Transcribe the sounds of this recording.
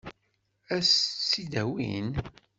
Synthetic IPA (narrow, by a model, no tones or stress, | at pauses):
æssid̪æwḭn